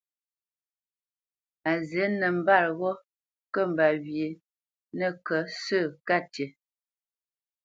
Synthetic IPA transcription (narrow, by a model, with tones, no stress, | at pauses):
a˨ze˨˦nə˨m̩˦ba˦˨ɾɣɔ˦ | kə˦˨m˨ba˨βje˨ | nə˦˨kə˨˦sə˦˨ka˦˨tje˨